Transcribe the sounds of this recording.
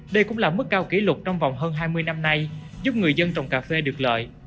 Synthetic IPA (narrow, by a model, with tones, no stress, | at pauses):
ɗə˧jkʊ̰˧˥ŋ͡mlaː˨˩mɨ˦˥k̚ːaː˧wki˨˦lʊ˨˩k͡p̚t͡ɕɔ˧wŋ͡mva̰˧˨wŋ͡mɦəː˧nɦaː˧jmɨ˧əjna˧mna˧jzu˦˥p̚ŋɨ˨˩əjzə˧nt͡ɕɔ˨˧˩wŋ͡mkaː˨˩fe˧ɗɨ˨˩ək̚lə̰ː˧˨j